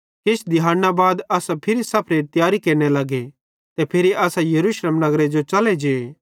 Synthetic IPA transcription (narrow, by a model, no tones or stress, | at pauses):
kɪt͡ʃʰd̪ɪɦaːnːabaːd̪ɐːsapʰɪɾisɐpʰɾeɾt̪ɪjaːɾikeːɾñelɐɡe | t̪epʰɪɾiaːsajɐɾuʃleːmnɐɡɾed͡ʒot͡ʃɐled͡ʒeːe